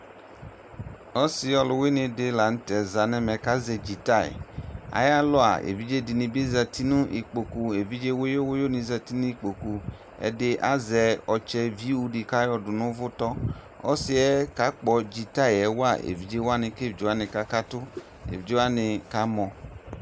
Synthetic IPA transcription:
ɔ˦sɪ˧ɔ˧lʊ˧we˦nɪ˧dɪ˨˦la˨n̩˦tɛ˨za˨nɛ˦mɛ˨ka˨˦zɛ˧˨d͡ʒi˨ta˦˨ḭ˨a̰˨˦ja˦lɔ˦a̰˨ḛ˨vi˦d͡ʒe˦dɪ˨nɪ̃˧be˦za˧ti˦nʊ̃˦ʔḭ˨k͡po˨ku˧e˨vi˦d͡ʒe˦wo˦jo˦wo˦jo˦ni˧˦za˧ti˦nũ˦i˦k͡po˨ku˨ | ɛ̰˨dɪ˦ʔa̰˦zɛ˧ɔ˧t͡ʃɛ˧vi˦u˧di˧ka˦jɔ˧dʊ˨nʊ̃˦vʊ˦tɔ˦ | ɔ̰˦sɪ˦ɛ˦ka˨˦k͡pɔ˧d͡ʒi˨ta˦˨jɛ˨wa˦˨ḛ˨vi˦d͡ʒe˦wa˦nɪ˧ke˦˨vd͡ʒo˨˦a˦nɪ˨ka˦ka˦tʊ˦ | ḛ˨vi˨d͡ʒe˦a˦nɪ˧ka˦mɔ˨

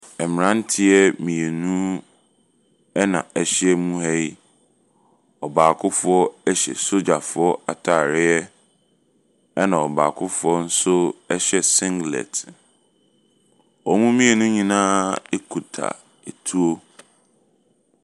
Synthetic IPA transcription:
ɛ˨mɪ̃˨ɾã˦n̩˦tʰɪ˦ɛ˦mĩ˨e˨nũ˦ | ɛ˦nã̰˨ɛ˨ɕɪ˦ɛ˦mũ˦ɦɛ˦i˦ | ɔ˨baː˨kʰʊ˦fʊ˦ɔ˦ɛ˦ɕɛ̰˨so˦d͡ʑa˨fʊ˨˦ɔ˦a˨tʰa˨ɾɪ˦ɛ˦ | ɛ˦nã˨ɔ˨baː˨kʰʊ˦fʊ˨˦ɔ˦n̩˦sʊ˦ɛ˦ɕɛ˨sɪ̃˦ŋɡlɛ̰˨t | ɔ˨˦mũ˦mĩ˦e˨nũ˦ɲĩ˦nãː˦e˦kʰu˨tʰa̰˨ | e˨tʰu˦o˦

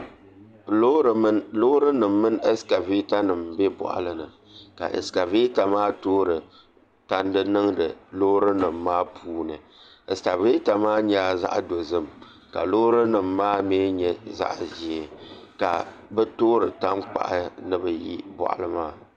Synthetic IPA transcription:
lo˦ɾɨ˦nɨ˨mːɨ˦nɛ˦ska˨vi˦ta˦nɨ˨mbɛ˦bɔ̰˨ʔa̰˨lɨ˦nɨ˨ | ka̰˨ʔɨ̰˨ska˨vi˦ta˨maː˦toː˦ɾɨ˨ | ta˦ndɨ˦nɨ˦ŋdɨ˨lo˦ɾɨ˦nɨ˨mːaː˦pʰuː˦nɨ˨ | ɛ˨ska˨vi˦ta˨maː˦ɲɛ˦a˦za̰˦ʔdo˨zɨ˦m | ka̰˨lo˦ɾɨ˦nɨ˨mːaː˦meː˦ɲɛ˦za̰˦ʔʒi˨ɛ˨ka̰˨bɛ˦toː˦ɾɨ˨ta˦nk͡pa̰˨ʔa˦nɨ˦bɨ˨ji˦bɔ̰˨ʔa̰˨lɨ˦maː˦˨

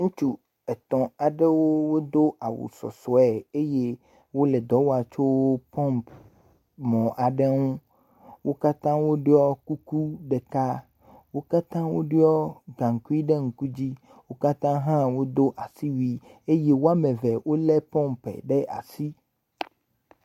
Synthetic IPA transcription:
ŋũ˦t͡ʃu˦ | ɛ˨t̪ɔ̃˨a˨ɖe˦wo˦wo˦d̪o˦a˨wṵ˨sɔ̰˨sɔ˨˦ɛ˨e˦je˦ | wo˦le˨d̪ɔ˨˦wa˨t͡ʃo˦wo˦pɔ̃˦mp | mɔ̃˨ʔa˨ɖe˦ŋũ˦ | wo˦ka˦t̪ã˦wo˦ɖe˦ɔ˦ku˦ku˦ɖe˨ka˦ | wo˦ka˦t̪ã˦wo˦ɖe˦ɔ˦ɡã˨ŋ̩˨ku˦i˦ɖe˦ŋ̩˨ku˦d͡ʑi˦ | wo˦ka˦t̪ã˦ɦã˦wo˦d̪o˦ʔa˨si˦wi˦e˦je˦wo˦a˦mẽ˨vɛ˨wo˦lɛ˦pɔ̃˦mpɛ̰˨ɖe˦ʔa̰˨si˦

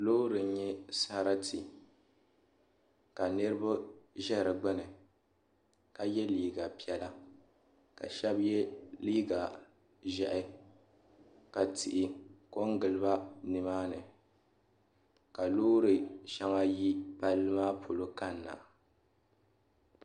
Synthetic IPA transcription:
loː˦ɾɨ˨˦ɲɛ˦sa˦ɾa˦tʰi˨ | ka˨nɨ˦ɾɨ˦bʊ˦ʒɛ˦˨ɾɨ˨ɡ͡bɨ˦nɨ˨ | ka˨jɛ˦liː˦ɡa˨pi˨ɛ˦la˦ | ka̰˨ʃɛ˦bjɛ˦liː˦ɡa˨ | ʒɛ˨ʔɪ˦ | ka˨tɪ˨ʔɪ˨ko˦ŋɡɨ˨lɨ˦ba˦nɨ˨maː˦nɨ˨ | ka˨loː˦ɾɨ˨ʃa˦ŋa˦ji˦pa˦lːɨ˦maː˦pʰo˨lo˦ka˦nː˨a̰˨

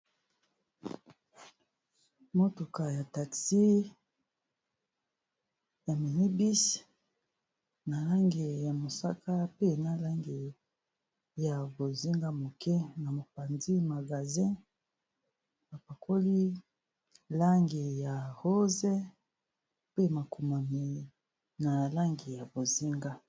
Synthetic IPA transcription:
mo˦to˨ka˨ja˨ta˨ksi˦ | ja˨me˨ni˦bi˦s | na˨la˦ŋɡe˨ja˨mo˨sa̰˦ka˦pe˦na˨la˦ŋɡe˨ | ja˨bo˨zi˦ŋɡa˦mo˨kɛ˦na˨mo˨pa˨ndi˦ma˨ɡa˨zɛ̃˦ | b̥a˨pa˨kʰo˦li˦ | la˦ŋɡi˨ja˨ho˦zɛ˦ | pe˦ma˨ku˨ma˨ni˨ | na˨la˦ŋɡi˨ja˨bo˨zi˦ŋɡa˦

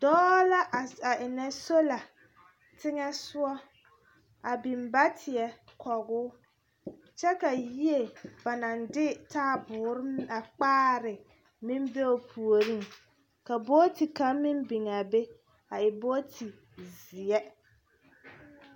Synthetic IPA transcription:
dɔː˦la˦ʔa˨ʔɪ˨nɛ˦so˦la˨ | tɪ˦ŋɛ˦sʊ˦ɔ˦ | a˨bi˨m˦ba˦tʰɪ˨ɛ˨kʰɔ˨ɣʊː˦ | t͡ʃɛ˦ka˨ji˦e˦˨ba˨na˨ndɪ˦taː˦bʊː˨ɾɪ˦a˨k͡paː˦ɾɪ˨ | mɪ˦m˦be˦o˨pʰu˨o˨ɾi˦ŋ | ka˨boː˦ti˨ka˦mɪ˦mbɪ˨ŋa˨be˦ | a˨ɪ˨bo˦tʰi˨ | zɪ˨ɛ˦

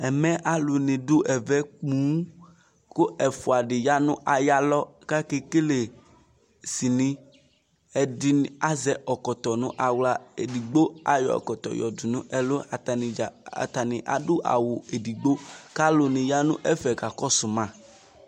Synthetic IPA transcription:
ɛ˨mɛ̃˦ʔa˦lu˨nĩ˨dʊ˦ʔɛ˨vɛ˦k͡pũ˦ | ko˦ɛ˨fo˨a˨ɖɪ˨ja˦nũ˦ʔa˨ja˦lɔ˦ka˦ke˦ke˦le˨ | si˨nĩ˦ | ɛ˨dɪ˦na˦zɛ˨ʔɔ˨kɔ˨t̪ɔ˨nũ˦ʔa˨wla˦e˨di˨ɡ͡bo˦a̰˨jɔ̰˨ɔ̰˨kɔ˨t̪ɔ̰˨jɔ̰˨du˨nũ˦ʔɛ˨lo˦a˨t̪a˨nĩ˨a̰˨t̪a˨nɪ̃˨ʔa̰˨dʊ˦ʔa̰˨wo˨e˨di˨ɡ͡bo˦ka˦lo˨nɪ̃˨ja˦nṵ̃˦ʔɛ˦fɛ˨ka˨kɔ˦sʊ˨mã˦˨

